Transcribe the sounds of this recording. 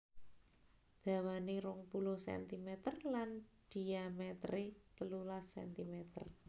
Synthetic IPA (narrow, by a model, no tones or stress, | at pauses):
d̪̥ä̤waneɾʊŋpulʊhsɛ̰nt̪imɛt̪ərland̪̥i̤amɛt̪ɾet͡ʃəlulasɛ̰nt̪imɛt̪ə̰r